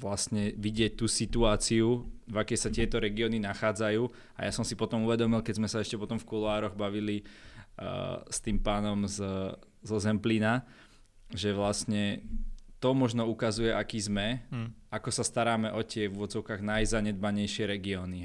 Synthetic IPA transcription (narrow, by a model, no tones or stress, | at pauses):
ʋlasɲɛʋiɟɪɛc̚t̪uːsit̪uaːt͡siuvakɛjsat̪ɪɛt̪ɔɾɛɡiɔːninaxaːd͡zajuː | a̰jasɔmsipɔt̪ɔmuʋɛd̪ɔmilkɛzmɛsaɛʃcɛpɔt̪ɔmfkulaːɾɔɣbaʋili | st̪iːmpaːnɔmz | zɔzɛmplina | ʒɛʋlasɲɛ | t̪ɔmɔʒnɔukazujɛʔakiːzmɛ | akɔsast̪aɾaːmɛʔɔt̪ɪɛʋuʋɔd͡zɔʊkaːɣnajzaɲɛd̪̚baɲɛjʃɪɛɾɛɡiɔːni